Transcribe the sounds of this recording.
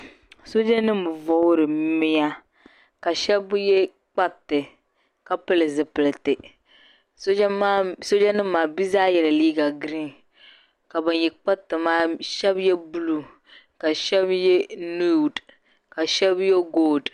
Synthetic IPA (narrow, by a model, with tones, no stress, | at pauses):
so˦d͡ʒɛ˦nɨ˦m˨vɔ˦ɾɨ˨mɪ˦ja˦ | ka˨ʃɛ˦bjɛ˦ | k͡pa˦tːɨ˨ | ka˦pɨ˦lɨ˨zɨ˨pɨ˨lɨ˨tɪ˨ | so˦so˦d͡ʒɛ˦nɨ˦m̩ː˦aː˨bi˦zaː˦jɛ˨la˨liː˦ɡa˨ɡɾi˦n | ka˨ba˨n˨jɛ˨k͡pa˦tːɨ˨maː˦ʃɛ˦bjɛ˦bu˦lu˦ | ka˨ʃɛ˦bjɛ˦nu˦˨d | ka˨ʃɛ˦bjɛ˦ɡoː˦˨d